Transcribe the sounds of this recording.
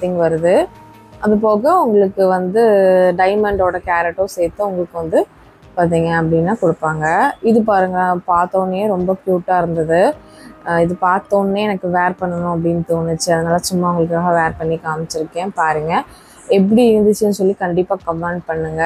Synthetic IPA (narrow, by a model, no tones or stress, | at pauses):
t̪ɪŋɡʋɐɾɯðɯ | ʔɐðɯp̬oːɣɐʊŋɡɐɭɯkːɯʋɐnd̪ɯɖɐɪmɐɳɖoːɽɐkaːɾɛʈːoːseːt̪ːɯʊŋɡɐɭɯkːɯʋɐnd̪ɯ | paːɾt̪̬iːŋɡɐɐp̬ːɐɽɪnːaːkɔɽɯpːaːŋɡɐɪðɯp̬aːɾɯŋɡɐpaːɾt̪oːnːejeːɾɔmbɐkjuːʈːaːɪɾɯnd̪ɐðɯ | ɪðɯpaːɾt̪oːnːeːɛnɐkːɯʋeːɾpɐɳːɐnʊ̃ɐp̬ːɐɽɪnːt̪oːnɯt͡ʃːɯɐðɐnaːlasʊmːaːʊŋɡɐɭɯkːaːɣɐʋeːɾpɐɳːikaːmɐt͡ʃːɪɾɯkːẽːpaːɾiŋɡɐ | ɛp̬ːɐɽiɪɾɯnd̪ɯt͡ʃːɯnːɯsɔlːikɐɳɖɪpːaːkɐmaːɳɖpɐɳːɯŋɡɐ